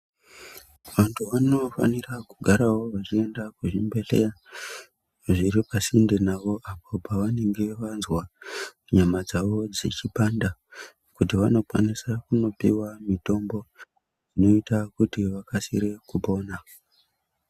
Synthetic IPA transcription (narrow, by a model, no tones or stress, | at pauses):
ʋantʰuʋano̞fa̰nirakuɡʱaɾawo̞ʋat͡ʃie̞ndakuʐimbe̞ɮe̞ja | ʐiɾipasindenaʋo̞ʔapo̞paʋane̞ŋɡe̞ʋanzwamuɲamad͡zaʋo̞d͡zḭt͡ʃipanda | kutiʋano̞kwa̰nisakuno̞pḭwamito̞mbo̞ | ino̞itakutiʋakasḭɾe̞kuɓo̞ːna